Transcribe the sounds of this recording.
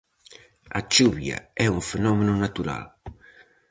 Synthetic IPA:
a̰t͡ʃuβja̰ɛuɱfenɔmenunat̪uɾa̰l

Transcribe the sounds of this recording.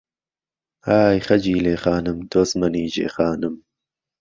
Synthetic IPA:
haːjxɐd͡ʒiːleːxaːnɨmd̪oːsmɐniːd͡ʒḛːxaːnɨm

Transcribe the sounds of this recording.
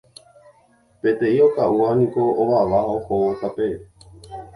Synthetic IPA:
pet̪eiokauanikooʋaʋaɦohoot̪ape

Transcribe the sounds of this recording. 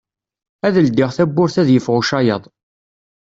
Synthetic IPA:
æðəld̪ɪʁθæbːʊɾθæðjəfʁʊʃɑjəðˤ

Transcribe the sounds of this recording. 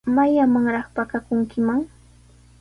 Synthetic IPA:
majamaŋɾɑχpakakʊŋkɪmaŋ

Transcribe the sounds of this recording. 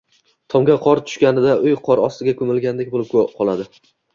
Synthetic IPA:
t̪ʰɒmɡʲaqʰɒɾt̪ʰʊ̥ʃkʲanɪd̪aʔʊjqʰɒɾɒst̪ɪɡʲakʰɵmɪlɡʲand̪ek̚ʲbolɪpʰqʰɒlˠad̪ɪ

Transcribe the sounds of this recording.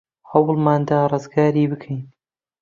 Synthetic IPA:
hɐwlmaːnd̪aːrˤɨzɡaːɾiːbɨkʰejn

